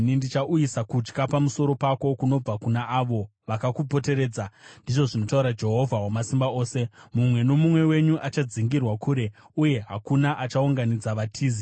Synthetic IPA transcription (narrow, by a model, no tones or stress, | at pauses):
nindit͡ʃaʔujisakut͡ʃkapamuso̞ɾo̞pako̞kuno̞b͡vakunaʔaʋo̞ʋakakupo̞te̞ɾe̞ːd͡zandiʐo̞ʐino̞tauɾad͡ʒe̞ɦo̞vʱawamasimbao̞ːse̞mumwe̞no̞mumwe̞we̞ɲuʔat͡ʃad͡ziŋɡirwakʰuɾe̞ | uje̞ɦakunaʔat͡ʃauŋɡanid͡zaʋatʰiːzi